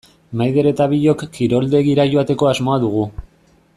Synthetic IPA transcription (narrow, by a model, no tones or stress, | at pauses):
majðe̞ɾe̞t̪aβiʎo̞kːiɾo̞ld̪e̞ɣiɾaʝo̞at̪e̞ko̞azmo̞aðuɣ̞u